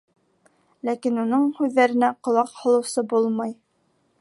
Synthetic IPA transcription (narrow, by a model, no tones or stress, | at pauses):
lækinunɤɴhʉðːæɾɘ̆næqŏlˠɑqhŏlˠɤ̆wsɤbulˠmɑj